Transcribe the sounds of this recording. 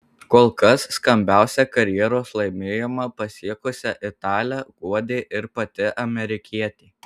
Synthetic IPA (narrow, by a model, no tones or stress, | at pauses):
koːlˠkɐsːkɐmʲbʲæˑʊsʲɛkɐɾʲjɛɾoːslˠɐɪmʲeːjomɐpɐsʲiɛkʊsʲɛʔɪt̪ɑːlʲæɡ̥uɔd̪ʲeːʔɪɾpɐt̪ʲɪʔɐmʲɛɾʲɪkʲiɛt̪ʲeː